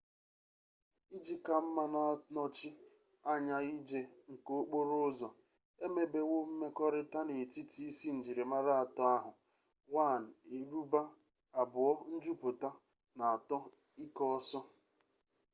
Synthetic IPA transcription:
i˦d͡ʒi˦ka˨m̩˦ma˦na˨nɔ˦t͡ʃɪ˦ | a˦ɲa˦i˦d͡ʒe˦ŋ̩˨ko˦k͡po˦ɾo˦zɔ˨ | e˦me˨be˨wo˦m̩˦me˦kɔ˦ɾɪ˦ta˦ne˨ti˦ti˦i˦si˦n̩˨d͡ʒi˨ɾe˨ma˦ɾa˦a˨tɔ˦a˦ɦʊ˨ | wa˦˨n̩˨e˨ɾu˦ba˦ | a˨bʊ˨ɔ˦n̩˦d͡ʒu˦pʊ˨ta˦ | na˨a˨tɔ˦ | i˦kɔ˦ɔ˦sɔ˦

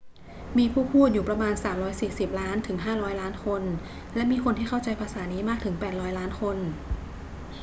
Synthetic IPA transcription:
miː˧pʰuː˥˩pʰuː˥˩t̪̚juː˨˩pɾa˧maː˧nsaː˩˦mɾɔː˦˥jsiː˨˩si˨˩p̚laː˦˥nt̪ʰɯ˩˦ŋɦaː˥˩ɾɔː˦˥jlaː˦˥nkʰo˧n | lɛ˦˥miː˧kʰo˧nt̪ʰiː˥˩xʰa˥˩wt͡ɕa˧jpʰaː˧saː˩˦niː˦˥maː˥˩k̚t̪ʰɯ˩˦ŋpɛː˨˩t̪̚ɾɔː˦˥jlaː˦˥nkʰo˧n

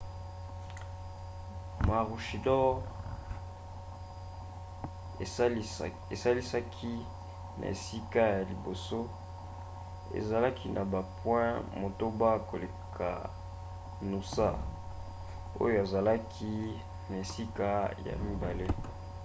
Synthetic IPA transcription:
ma˨ʁu˨ʃi˨dɔ˦ | e˨sa˦li˦sa˦kʰi˦ | nʔa̰˨ḛ˨si˦ka˦ja˨li˨bo˨so˦ | ḛ˨za˨la˦kʰi˦nʔa˨ba˨pwɛ̃˦mo˨to˦ba˦ko˨le˨kʰa̰˨ | nu˨sa̰˦ | o̰˦jo˨a˨za˨la˦kʰi˦ | na˨e˨si˦ka˦ja̰˨mi˦ba˨le˦

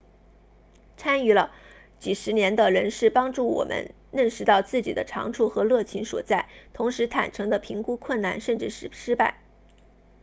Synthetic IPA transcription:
t͡sʰa˥ny˧˥lə˧ | t͡ɕi˨˩ʂɻ̩˧˥njɛ˧˥nd̪ə˧ɻə˧˥nʂɻ̩˥˩pɑ˥ŋʈ͡ʂu˥˩wɔ̰˨˩mʔə̰˧˦n | ɻə˥˩nʂɻ̩˧˥t̪ɑ˥˧ʊt͡sɹ̩˥˩t͡ɕḭ˨˩d̪ə̰˦ʈ͡ʂʰɑ̰˧˥ŋʈ͡ʂʰu˥˩xɤ˧˥lɤ˥˩t͡ɕʰi˧˥nʂwɔ̰˨˩t͡sa˥˩ɪt̪ʰʊ˧˥ŋʂɻ̩˧˥t̪ʰa̰˨˩nʈ͡ʂʰɤ˧˥ŋd̪ə˧pʰi˧˥ŋku˥kʰwə˥˩na̰˥˩nʂə˥˧nʈ͡ʂɻ̩˥˩ʂɻ̩˨˩ʂɻ̩˥pa˥˩ɪ

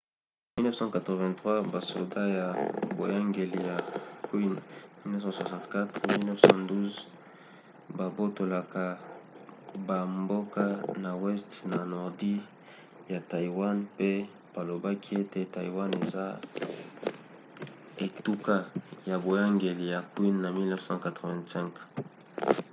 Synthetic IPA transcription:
mi˦lnɛ˦fsɑ̃˦ka˨tʁə˨vɛ̃˨tχwa˦ba˨so˨da˦ja˨bo˨ja˦ŋɡe˨li˨ja˨kwi˦nmi˦lnɛ˦fsɑ̃˦swa˨sɑ̃˨ntka˦tʁmi˦lnɛ˦fsɑ̃˦du˦z | ba˨bo˦to˨la˨ka˨ | ba˨mbo˦ka˦na˨wɛ˦stna˨nɔ˨ʁdi˦ | ja˨ta˨i˨wa˦npe˦ | b̥a˨lo˨ba˦kʰi˦e˦te˦ta˨i˨wa˦ne˨za˦ | e˨tu˦ka˦ja˨bo˨ja˦ŋɡe˨li˨ja˨kwi˦nna˨mi˦lnɛ˦fsɑ̃˦ka˨tʁo˨vɛ̃˨nsɛ̃˦ŋk

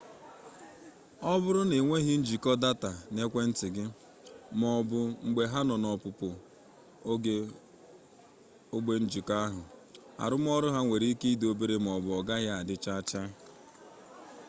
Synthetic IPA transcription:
ɔ˦bʊ˦ɾʊ˦ne˨ŋʷe˦ɦi˦n̩˦d͡ʒi˨kɔ˦da˦ta˨ne˦kʷe˦n̩˦tɪ˨ɡɪ˦ | mɔ˨bʊ˨ŋ͡m̩˨ɡ͡be˨ɦa˦nɔ˨nɔ˨pʊ˨pʊ˨˦ | ɡe˦ | o˦ɡ͡be˦n̩˦d͡ʒi˨ka˦ɦʊ˨ | a̰˨ɾʊ˦m˦ɔ˦ɾʊ˦ɦa˦ŋʷe˨ɾi˦i˦ke˦i˦do˦be˦ɾe˦m˨ɔ˨bʊ˨ɔ˨ɡa˦ɣa˦a˨dɪ˦t͡ʃa˦t͡ʃa˦

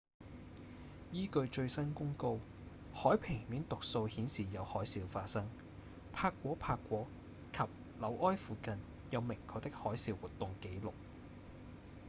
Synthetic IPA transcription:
jiː˥kɵ˧ɥt͡ʃɵ˧ɥsɐ˥nkʊ˥ŋko˥w | hɔː˨˥jpʰɪ˨˩ŋmiː˨˥nt̪ʊ˨k̚so˧whiː˨˥nsiː˨˩jɐ˨˧whɔː˨˥jsiː˨˧wfaː˧t̚sɐ˥ŋ | pʰaː˧kːʷɔː˨˥pʰaː˧kʷːwɔː˨˥ | kʰɐ˨p̚ | lɐ˨˧wʔɔː˥jfuː˨kɐ˧n | jɐ˨˧wmɪ˨˩ŋkʰɔː˧˥t̪ɪ˥k̚hɔː˨˥jsiː˨˧wuː˨t̪ːʊ˨ŋke˨˥jlʊ˨k̚

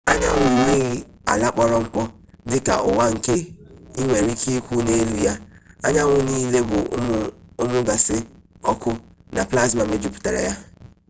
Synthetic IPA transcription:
a˦ɲa˦ŋʊ˨ni˦ɣi˦ | a̰˨la˦k͡pɔ˦ɾɔ˦ŋ̩˦k͡pɔ˦ | dɪ˦ka̰˨ʔʊ˨wa˦ŋ̩˨ke˦i˦ŋʷe˨ɾi˦kʰi˦kʷu˦ne˦e˦lu˦ja˦a˦ɲa˦ŋʷʊ˨niː˦le˦bʊ˨˦ʊ˦mʊ˦ɡa˨sɪ˦ɔ˦kʷʊ˦na˨pla˦zma˨me˦d͡ʒu˦pʊ̥˨ta˨ɾa̰˨ja˦

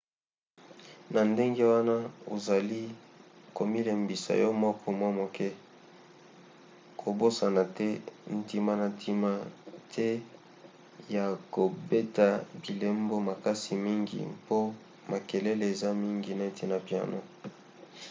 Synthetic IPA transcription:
na˨nde˦ŋɡe˦wa˦na˦o˨za˨li˦ko˨mi˦le˨mbi˨sa̰˨jɔ˦mɔ˦kʰɔ˦mwa˦mo˨kʰɛ˦ | kʰo˨bo˦sa˨na˨tɛ˦n̩˨ti˦ma˦na˨ntʰi˦ma˦tʰɛ˦ | ja˨ko˨be˦ta˨bi˨le˦mbo˦ma˨ka˦si˨mi˦ŋɡḭ˨po˦ | ma˨ke˨le˦le˨e˨za˦mi˦ŋɡi˨na˨e˨tʰe˦˨na˨pja̰˨no̰˦

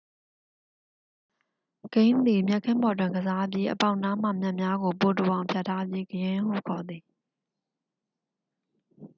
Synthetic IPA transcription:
ɡ̥ẽ˦ɪ̃nd̪i˨mjɛ˦ʔkʰɪ̃˦mbɔ˨t̬wɪ̃˨ŋɡəza˦p̬ji˦ʔə̰pa˦ʊ̃na˦˨m̥a̰˦˨mja˦ʔmja˦ɡo˨po˨tə˨wã˨ʊ̃mpʰja˦˨tʰːa˦pji˦ɡəjɪ̃˦hṵ˦˨kʰɔ˨d̪ði˨

